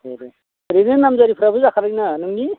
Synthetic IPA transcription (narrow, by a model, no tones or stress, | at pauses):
eɾe | ɾenɯnːamzaɾipʰɾabɯzakʰaɾajnɯnɯŋni